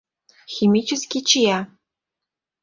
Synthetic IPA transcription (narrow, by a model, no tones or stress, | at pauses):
xʲimʲit͡ɕɘ̆skʲit͡ɕijæ